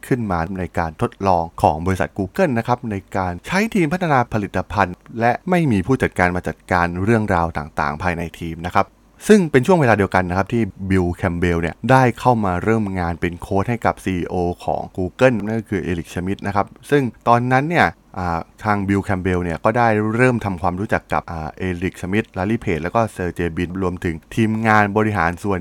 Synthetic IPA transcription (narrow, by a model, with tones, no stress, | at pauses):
kʰɯ˥˩nmaː˧na˧jkaː˧nt̪ʰo˦˥t̪̚lɔː˧ŋkʰɔ̰ː˩˦ŋbɔː˧ɾi˧sa˨˩t̪̚kuː˧kɤ˥˩nːa˦˥kʰa˦˥p̚na˧jkaː˧nt͡ɕʰa˦˥jt̪ʰiː˧mpʰa˦˥t̪tʰa˧naː˧pʰa˧li˨˩t̪ːa˧pʰa˧nlɛ˦˥ʔma˥˩jmiː˧pʰuː˥˩t͡ɕa˨˩t̪̚kaː˧nmaː˧t͡ɕa˨˩t̪̚kaː˧nɾɯ˥˩əŋɾaː˧wt̪aː˨˩ŋt̪a̰ː˨˩ŋpʰaː˧jna˧jt̪ʰiː˧mna˦˥kʰa˦˥p̚ | sɯ˥˩ŋpe˧nt͡ɕʰu˥˩əŋweː˧laː˧di˧əwka˧nːa˦˥kʰa˦˥t̪ʰiː˥˩bi˧wkʰɛ˧mbeː˧wni˥˩ɐdaː˥˩jkʰa˥˩wmaː˧ɾɤː˥˩mŋaː˧npe˧nkʰoː˦˥t̪̚ha˥˩jka˨˩p̚siː˧ʔi˧ʔoː˧kʰɔ̰ː˩˦ŋkuː˧kɤ˥˩nːa˦˥na˥˩kʰɯː˧ʔeː˧li˨˩k̚sa˧mi˦˥t̪̚na˦˥kʰa˦˥p̚sɯ˥˩ŋt̪ɔː˧nːa˦˥nːi˥˩ɐ | ʔaː˨˩t̪ʰaː˧ŋbi˧wkʰɛː˧mbe˧wni˥˩ɐkɔː˥˩daː˥˩jɾɤː˥˩mt̪ʰa˧mkʰwaː˧mɾuː˦˥t͡ɕa˨˩kːa˨˩p̚ʔaː˨˩ʔeː˧li˨˩k̚sʰa˧mi˦˥t̪̚laː˧liː˥˩pʰeː˨˩t̪lɛ˦˥wkɔː˥˩sɤː˧t͡ɕeː˧bi˧nɾu˧əmt̪ʰɯ˩˦ŋt̪ʰiː˧mŋaː˧nbɔː˧ɾi˦˥ɦa̰ː˩˦nsu˨˩ən